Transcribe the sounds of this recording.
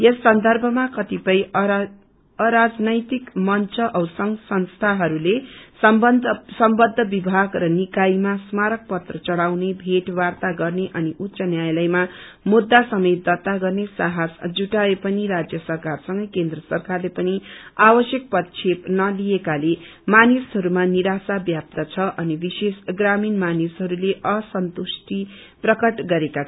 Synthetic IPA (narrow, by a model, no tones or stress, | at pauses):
jesːʌnd̪ʱʌrbʱʌmakʌt̪ipʌj | ʌɾad͡znʌjt̪ikmʌnt͡sʰʌʔʌwsʌŋsʌnst̪ʰaɦʌɾule | sʌmbʌd̪ʱːʌbibʱaɡrʌnikaimasmaɾʌk̚pʌt̪rʌt͡sʌɽawnebʱeʈwart̪aɡʌrneʔʌniʔut̪ːsʌnjajlʌjma | mud̪ːasʌmed̪ʌt̪aɡʌrnesaɦasd͡zuʈaepʌniɾad͡zjʌsʌrkarsʌŋɡʌjkend̪rʌsʌrkarlepʌniabʌsjʌk̚pʌt̪t͡ʃʰepnʌliekale | manisɦʌɾumaniɾasabjap̚t̪ʌt͡sʰʌʔʌnibisesɡraminmanisɦʌɾuleʔʌsʌnt̪usʈi | prʌkʌʈɡʌɾekat͡sʰʌ